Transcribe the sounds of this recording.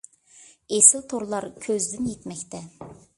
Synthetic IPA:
esɪlt̪ʰoɾlˠɑɾkʲʰøzd̪ɪnjet̪mɛkʲt̪ʰɛ

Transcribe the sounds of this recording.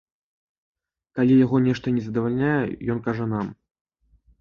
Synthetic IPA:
kalʲijaɣɔnʲɛʂt̪ɐnʲɛzɐd̪ɐvalʲnʲajɛ̰jɔnkaʐɛnam

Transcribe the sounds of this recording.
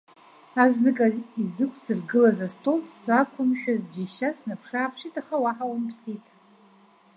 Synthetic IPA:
aznɨkʼazizɨkʷʰʼsɨrɡɨlazastʼozsʷakʷʰʊmʃᶣazd͡ʒiʃasnapʰʂaːpʰʂitʼaχawaħawampʰsitʼ

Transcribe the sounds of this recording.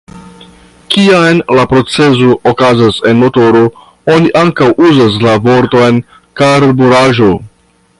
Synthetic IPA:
kiajnlapɾo̞t͡se̞zookazase̞nmo̞to̞ɾo̞ | o̞niʔaŋkawʔuzas̬lavo̞ɾto̞jn | kaɾbuɾaʒo̞

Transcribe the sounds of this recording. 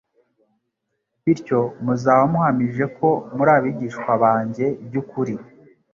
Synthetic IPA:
βiɾco̞muzaːwamuhamiʒe̞ko̞muɾaːβiɟiʃkwaβaːɲɟe̞b̚jukuɾi

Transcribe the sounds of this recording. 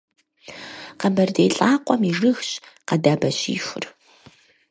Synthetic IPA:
qɐmbɐrdeːɬʼaːqʷɔmiʐɨxɕqɐdaːbɐɕḭːxʷʊ̰r

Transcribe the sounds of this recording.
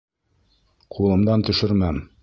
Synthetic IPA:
qʰulˠɤ̆md̪ɑnt̪ɵ̆ʃɘɾmæm

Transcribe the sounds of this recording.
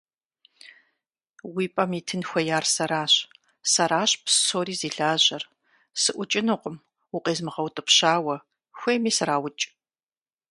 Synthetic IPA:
wiːpʼɐmiːtʰɨnxʷɐjaːrsɐɾaːɕ | sɐɾaːɕʼpssoːɾiːziːɬaːʑɐr | sɨʔʷʊt͡ʃʼɪnɨqʷʊm | uqʼeːzmɨʁɐwtʼɨpɕaːwɐ | xʷeːmiːsɨɾaːwʊt͡ʃʼ

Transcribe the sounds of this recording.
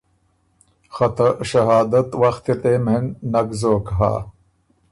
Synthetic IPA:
xɐt̪ɐʃɐɦɑːd̪ɐt̪waxt̪it̪eːmennɐɡzoːkɦa̰ː

